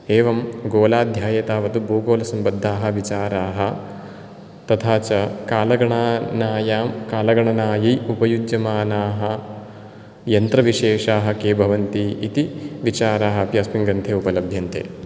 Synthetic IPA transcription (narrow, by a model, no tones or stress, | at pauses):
eːʋɐmɡoːlaːd̪ʱjaːjɐt̪aːʋɐt̪uboːɡoːlɐsɐmbɐd̪ʱːaːɦɐ̆ʋit͡ʃaːɾaːɦɐ̆ | t̪ɐt̪ʰaːt͡ʃɐkaːlɐɡɐɳaːnaːjaːmkaːlɐɡɐɳɐnaːjijupɐjud͡ʒjɐmaːnaːɦɐ̆ | jɐnt̪ɾɐʋiʂeːʂaːɦɐ̆keːbʱɐʋɐnt̪iit̪iʋit͡ʃaːɾaːɦɐpjɐspiŋɡɾɐnt̪ʰeːupɐlɐbʱjɐnt̪ḛː